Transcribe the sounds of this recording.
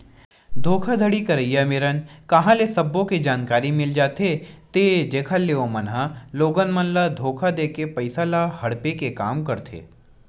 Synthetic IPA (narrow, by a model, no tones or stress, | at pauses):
d̪ʱoːkʰad̪ʱəɽikɐɾəjameːɾənkɐɦãlesɐbːõked͡ʒaːnkaːɾimɪld͡ʒaːt̪et̪ed͡ʒeːkʰəlːeomɐnɦəloːɡənmənlad̪ʱoːkʰad̪eːkepɐɪsalahɐɽpekekaːmkɐɾt̪ʰḛː